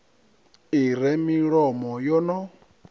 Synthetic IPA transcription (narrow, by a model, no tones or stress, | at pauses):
iɾɛmiɺɔmɔjɔnɔ